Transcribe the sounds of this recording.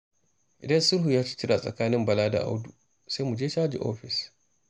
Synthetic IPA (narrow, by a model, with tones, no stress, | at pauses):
ʔɪ˨dɐ˦nsʊ˦ɾɦu˨jaː˦t͡ʃi̥˦t͡ʃɪ˦ɾa˨sʼɐ̰˨kaː˦nɪ˦mbɐ˨laː˦da̰˨ʔa̰˦wdu˨ | sa˦jmu˨d͡ʒeː˦t͡ʃaː˦d͡ʒḭ˨ʔoː˦ɸɪ˨s